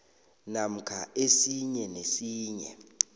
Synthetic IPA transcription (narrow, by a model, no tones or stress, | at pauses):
nam̩kʰaʔesiɲɛnesiːɲɛ̰